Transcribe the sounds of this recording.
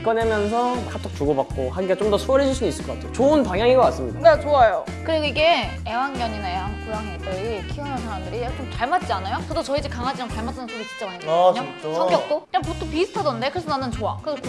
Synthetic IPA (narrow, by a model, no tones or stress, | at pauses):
ik͈ʌnemjʌnsʰʌkat͈ʰok̚t͡ɕuɡobak̚k͈ohaɡiɡat͡ɕomdʌsʰoɾed͡ʑuɭsʰinis͈ɯɭk͈ʰʌkatʰeot͡ɕoɯnpaŋjaŋiɡʌk͈ats͈ɯmɲidanat͡ɕoajo | kɯɾiɡoiɡe̞ | ewanɡjʌɲinaewanpʰuɾaŋɦet͈ɯikʰiʌnɦansʰaɾamdɯɾit͡ɕomt͡ɕaɭmat̚t͡ɕ͈ianajot͡ɕʌdot͡ɕʌid͡ʑekaŋɦad͡ʑinʌmt͡ɕaɭmat͈anɯnsʰoɾot͡ɕi̥t͡ɕʌɡɯnɦeɡɯt͡ɕɲot͡ɕsʌkjʌk̚t͈okɯɲampot͈ʰopisʰɯ̥tʰadʌndekɯɾesʰʌnanɯnt͡ɕoakɯɡ